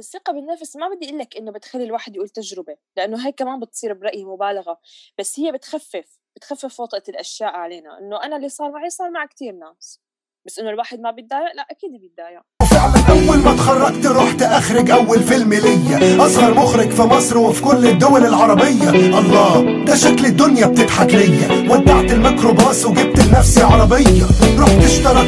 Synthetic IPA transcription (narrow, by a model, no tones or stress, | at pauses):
ɪsːɪqɑbɪnːafsmabɪd̪ːiʔɪlːakʔɪnːobɪt̪xalːilwaːħɪd̪jʔuːlt̪aʒɾɪbelɪʔanːoɦaːjkːamaːnbɪt̪sˤiːɾbɪɾˤɑʔjmʊbaːlaɣab̥asːhɪjːabɪt̪xafːɪf | b̥ɪt̪xafːɪfwɑt̪ˤʔalʔaʃjaːʔʕaleːna̰ʔɪ̰nːoʔanalːisˤɑːɾˤmaʕisˤɑːɾˤmaʕkt̪iːɾnaːs | basːʔɪnːolwaːħɪd̪̚mabɪd̪aːjaʔlaʔakiːd̪bɪd̪ːaːja | wfɪʕlanʔawːalmat̪xɑrˤːɑɡt̪ɾuːħt̪ʔaxɾɪɡʔawːalfɪlmɪlɪjːaʔɑshɑɾˤmʊxɾɪɡfimɑsˤɾwɪfi̥kʊlːɪd̪ːʊwalɪlʕɑɾˤɑbɪjːaʔɑlˤːɑː | d̪aʃaklɪd̪ːʊnjab̚t̪ɪt̪ħaklɪjːawad̪ːaʕt̪ɪlmakɾobaːswɡɪb̚t̪ɪlnafsiʕɑɾˤɑbɪjːaɾuːħt̪ɪʃt̪ɑɾˤɑ